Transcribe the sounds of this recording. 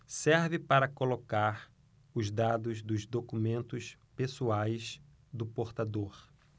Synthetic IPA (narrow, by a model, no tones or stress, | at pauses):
sɛɾvɪpaɾɐkolokaɾ | ʊzd̪ad̪ʊzd̪ʊzd̪okumẽnt̪ʊspesuajs | d̪ʊpoɾt̪ad̪oɾ